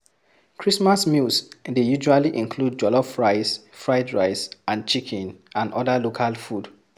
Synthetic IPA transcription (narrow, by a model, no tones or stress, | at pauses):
kʰɹismasmilsdejuʒualiʔĩnkʰlud̚d͡ʒɔlɔfɹaɪsfɹaɪdɹaɪsʔãnt͡ʃikʰɛ̃nãndʔɔ̰dalokʰalfud